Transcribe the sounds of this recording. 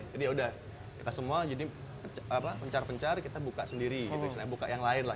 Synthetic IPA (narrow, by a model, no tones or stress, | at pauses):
d͡ʒadiudah | kit̪asəmuad͡ʒadipəapapəɲt͡ʃarpəɲt͡ʃarkit̪abukaʔsəndiɾiɡit̪usilaɲabuka̰ʔjaŋlaɪnla